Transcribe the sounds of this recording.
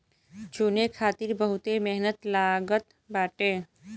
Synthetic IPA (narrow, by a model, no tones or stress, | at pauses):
d͡ʒunekʰaːt̪iɾbəɦʊt̪emɛɦnət̪laːɡət̪ | baːʈeː